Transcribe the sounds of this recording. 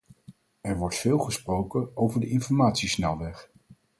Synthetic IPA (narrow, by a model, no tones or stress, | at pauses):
ɛɹʋɔɹtfɪːlˠχəsprowkəowvəɹdəɪnfɔɹmaːtsisnɛlˠʋɛχ